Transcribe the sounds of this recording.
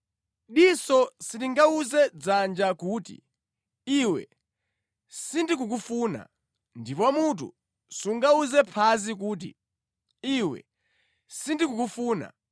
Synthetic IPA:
ɗisɔsitiŋɡauzɛd͡zand͡ʒakuːtḭ | iwɛ̰ | sindik̬uk̬ufuːna̰ | ndipɔwamut̬ṵ | suŋɡauzɛpʰazik̬uːt̬ḭ | iwɛ̰ | sindikukufuːna̰

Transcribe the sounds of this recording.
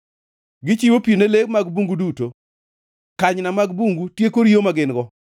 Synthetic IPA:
ɡɪt͡ʃiwopionelekmaɡbuŋɡuduto | kaɲnamaɡbuŋɡutjekoɾiomaɡɪnɡɔ

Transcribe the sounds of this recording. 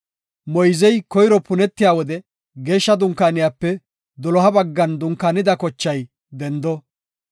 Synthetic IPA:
mɔjzɛjkɔjɾɔpʊnɛt̪ːɪjaːwɔd̪ɛ | ɡe̞ːʃːɐd̪ʊŋkaːnɪjaːpːɛ | d̪ɔlɔɦɐbɐɡːɐnd̪ʊŋkaːnɪd̪ɐkɔt͡ʃːɐj | d̪ɛnd̪ɔ

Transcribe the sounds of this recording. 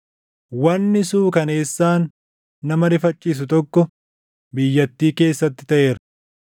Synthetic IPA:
wɐnːɪsuːkɐne̞ːsːaːnː | ɐmɐɾɪfɐt͡ʃʼːiːs̬ʊt̪ɔkːɔ | bɪjːɐt̪ːiːke̞ːsːɐt̪ːɪ̥t̪ɐʔe̞ːɾɐ̥

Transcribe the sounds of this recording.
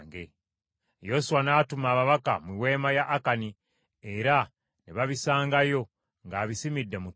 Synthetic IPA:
ŋɡḛ | jo̞suwanaːtumaːβaβaka̰mwiwe̞ːmajaʔːkani | eɾa | neβaβisaːŋɡajo̞ | ŋɡaːβisimidːemu

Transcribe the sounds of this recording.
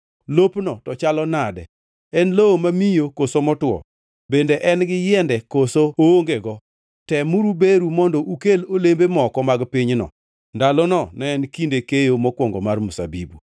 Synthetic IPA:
lopnɔtɔt͡ʃalɔnadɛ̰ | ɛnloomamijokosomɔtwɔ̰ | bendeʔɛnɡɪjɛndɛkosoooŋɡeɡɔ | tɛmuɾubeɾumɔndɔʔukelolembemɔkɔmaɡpiɲnɔ̰ | ndalɔnɔnɛɛnkindekejomɔkwɔŋɡɔmarmusa̰bḭbu

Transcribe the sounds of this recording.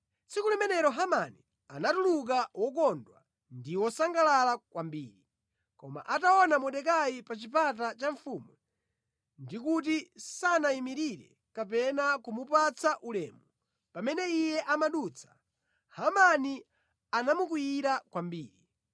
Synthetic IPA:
t͡sikulɛmɛnɛɾɔɦamani | anatuluk̬awɔkɔndwa̰ | ndiwɔsaŋɡalalakwambḭːɾi | kɔma̰ʔataɔnamɔɗɛkaipat͡ʃipat̬at͡ʃaɱfumu | ndikut̬isanaimiɾiɾɛ̰ | kapɛnakumupat͡sʰaʔulɛːmu | pamɛnɛijɛʔamaɗut͡sʰḁ | hamani | anamuk̬ujiɾakwambiːɾi

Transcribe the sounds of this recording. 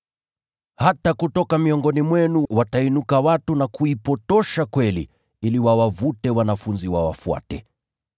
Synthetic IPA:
hatakutɔkamiɔŋɡɔnimwɛnuwatainukawatunakuipɔtɔʃakwɛli | iliwawavutɛwanafunziwawa̰fua̰tɛ

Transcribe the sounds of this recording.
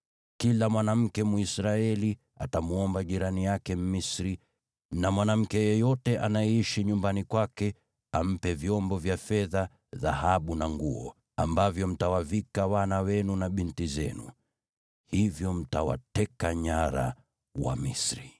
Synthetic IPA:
kilamwanam̩kɛmuisɾaɛli | atamuɔmbaʄiɾanijakɛm̩misɾi | namwanam̩kɛjɛjɔtɛʔanajɛiʃiɲumbanikwakɛ | am̩pɛvjɔmbɔvjafɛða | ðahaɓunaŋɡuɔ̰ | a̰mbavjɔm̩tawavikawanawɛnunaɓintizɛnṵ | hivjɔm̩tawa̰tɛkaɲaɾa̰ | wa̰misɾi

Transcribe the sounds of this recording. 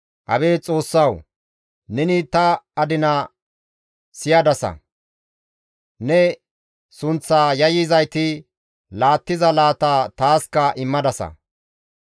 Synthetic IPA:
ʔɐ̰beːt͡sʼo̞ːsːɐw | nɛnɪt̪ɐɐd̪ɪnɐ | sɪjɐd̪ɐsɐ̰ | nɛ | sʊnt͡sːaːjɐjɪzɐjt̪ɪ | laːt̪ːɪzɐlaːt̪aːt̪aːskɐʔɪmːɐd̪ɐsɐ̰

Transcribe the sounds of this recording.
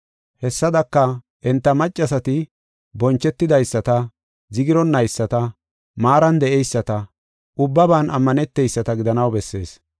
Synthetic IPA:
hɛsːɐd̪ɐkːɐ | ʔɛnt̪ːɐmɐt͡ʃʼːɐsɐt̪ɪ | bɔnt͡ʃːɛt̪ːɪd̪ɐjsːɐt̪ɐ | zɪɡɪɾɔnːɐjsːɐt̪ɐ | maːɾɐnd̪ɛʔɛjsːɐt̪ɐ | ʔʊbːɐbaːnɐmːɐnɛt̪ːɛjsːɐt̪ɐɡɪd̪ɐnɐwbɛsːe̞ːs

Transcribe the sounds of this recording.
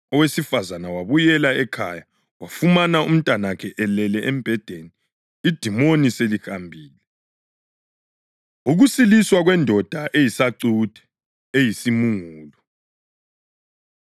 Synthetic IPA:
ɔwesifazanawaβujɛlaɛkʰa̰ja | wafumanaum̩tʼanakʰɛʔɛlɛlɛʔɛmb̥ʱɛd̥ʱeniː | d̥ʱimoniselihambʱiːlɛ | uɣusiliswaɣwɛndʱɔd̥ʱaʔejisaǀud̥ʱɛ̥ | ejisimuŋuːlɔ

